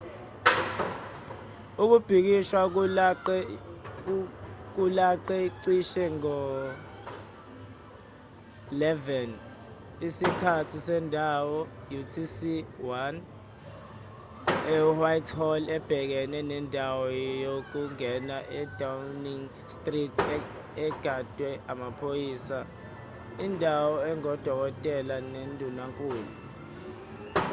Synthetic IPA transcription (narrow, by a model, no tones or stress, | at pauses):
uk̬ub̥ʱik̬iʃwa | k̬ulaǃɛiǀiʃɛŋɔ | lɛvɛn | isikʰatʰisɛndʱawɔ | jutʰisiwan | ɛuwajtʰhɔlɛb̥ʱɛk̬ɛnɛnɛndʱawɔjok̬uŋɛnaʔɛd̥ʱawniŋ | stʼritʰ | ɛɡ̥ʱad̥ʱwɛamapʰojiːsa | indʱawɔɛŋɔd̥ʱɔk̬ɔtʼɛlanendʱunaŋkʼuːlu